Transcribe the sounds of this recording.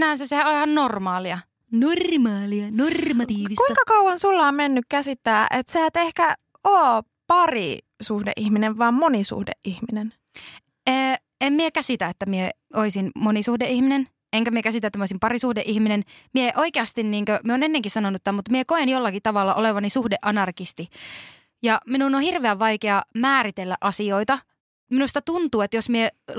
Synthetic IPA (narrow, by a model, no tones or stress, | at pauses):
nænsæsehæʔolhɑnnormɑːliɑ | normɑːliɑnormɑt̪iːʋiskutiŋkɑkɑuwɑnsulːɑːmmenːykkæsit̪ːæːʔet̪seæt̪ehkæ | oː | pɑrḭ | suhdḛʔihmineʋʋɑːmmonisṵhdḛʔʔihminen | eː | emmiekæsit̪æet̪ːæmieoisinmonisuhdeʔihminen | eŋkæmiekæsit̪æet̪ːmioˑisimpɑrisuhdeʔihminenmieeʔoikeɑst̪inniːŋkømieoːnenːeŋkissɑnonːut̪ĕt̪ːæmut̪miekoenjolːɑkit̪ɑʋɑlːɑʔoleʋɑnisuhdeʔɑnɑrkist̪i | jɑminunohirʋeæʋːɑikeɑmæːɾit̪elːæ̰ʔɑsioit̪ɑ | minust̪ɑt̪unt̪uːet̪josmie